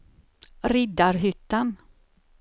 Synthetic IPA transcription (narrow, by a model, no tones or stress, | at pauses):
ɾɪd̪aɾɦʏt̪ːan